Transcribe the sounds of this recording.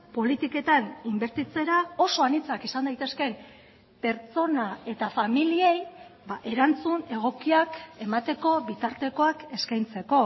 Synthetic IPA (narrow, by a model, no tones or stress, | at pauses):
po̞lit̪ike̞t̪animbe̞ɾt̪it͡se̞ɾao̞so̞anit͡sakisand̪ajt̪e̞ske̞m | pe̞ɾt͡so̞nae̞t̪afamilie̞jbaʔe̞ɾant͡sune̞ɣ̞o̞kiake̞mat̪e̞ko̞βit̪aɾt̪e̞ko̞ake̞skajnt͡se̞ko̞